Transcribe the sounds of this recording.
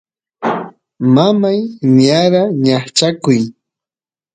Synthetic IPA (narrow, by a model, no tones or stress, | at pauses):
mamajɲaɾaɲaχt͡ʃakʊj